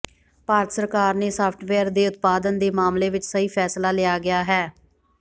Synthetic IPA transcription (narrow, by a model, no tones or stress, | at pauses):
paːɾət̪səɾkaːɾneːsaːpʰʈʰʋɛːɾd̪eːʊt̪̚paːd̪ənd̪eːmaːmleːʋɪt͡ʃsəiːpʰɛːslaːlɪaːɡɪjaːɦɛː